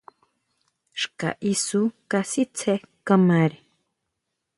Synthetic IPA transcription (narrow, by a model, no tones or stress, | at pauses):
ʃka̰ʔisukasit͡sʰekamaɾi